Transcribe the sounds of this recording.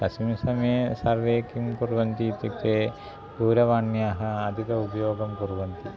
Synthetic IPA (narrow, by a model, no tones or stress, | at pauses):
kɐsmisɐmeːsɐɾʋeːkimpuɾʋɐnt̪iːt̪jɐkt̪eː | puːɾɐʋaːɳːjaɦɐɐd̪ʱit̪ɐupɐjoːɡɐmpuɾʋɐnt̪i